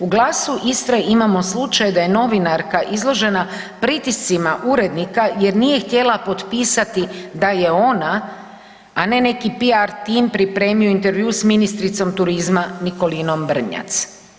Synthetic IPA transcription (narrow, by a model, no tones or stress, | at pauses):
uɡlˠaːsuʔist̪ɾeimamo̞slˠut͡ʃajd̪ajeno̞ʋinaɾkaʔizlˠo̞ʒe̞na | pɾit̪ist̪simaʔuɾe̞d̪nikaje̞ɾnije̞xt̪je̞lapo̞t̪piːsat̪id̪aje̞o̞naː | ne̞ne̞kipiaɾt̪impɾipɾe̞ːmioint̪e̞ɾʋjusminist̪ɾit̪so̞mt̪uɾizmaniko̞lino̞mbr̩ɲa̰t̪s